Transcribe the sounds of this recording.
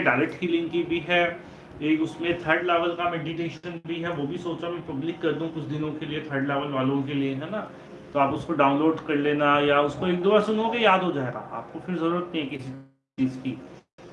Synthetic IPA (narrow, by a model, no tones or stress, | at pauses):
ɖaːɪlɛkʈfiːlɪ̃ŋɡkibʱiɦɛː | eːkʊsmẽt̪ʰəɾɖlɛːʋəlkamɛːɖiʈeːʃənbʱiɦɛʋoːbʱisoːt͡ʃamɛ̃pɐblɪkːɐɾd̪uũkʊt͡ʃʰd̪ɪnõkeliet̪ʰəɾɖlɛːʋəlʋaːlõkelieɦɛna | t̪oaːpʊskoɖãːʊ̃nloːɖkɐɾleːnajaʊskoeːk̚d̪oːbasʊnokejaːd̪ʱɦod͡ʒaːeːɡa̰ːa̰ːp̚kofɪɾzɐɾuːɾət̪̚nɦĩɦkɪsi | t͡ʃiːzkiː